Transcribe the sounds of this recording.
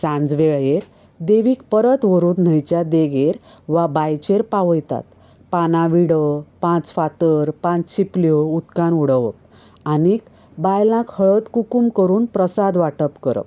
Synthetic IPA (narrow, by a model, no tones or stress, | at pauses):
sãnd͡zʋeɭjeɾ | d̪eʋiːkpəɾət̪ʋəɾuːnn̤əjt͡ɕjad̪eɡeɾ | ʋabajt͡ɕeɾpaʋəjt̪a̰t̪ | panaʋiɽəpãt͡sfat̪əɾpãt͡st͡ɕʰipljout̪kanuɽ̤əʋəp̚ | anik | bajlãkhəɭət̪kukumkəɾuːnpɾəsad̪ʋaʈəpkəɾə̰p